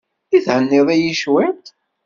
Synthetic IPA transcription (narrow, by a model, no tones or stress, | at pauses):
iθʕənːɪðˤæjiʃwæt̪